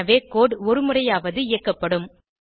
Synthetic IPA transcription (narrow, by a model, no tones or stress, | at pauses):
ɐʋeːkoːɽɔɾɯmɯrɐjaːʋɐðɯɪjɐkːɐpːɐɽɯm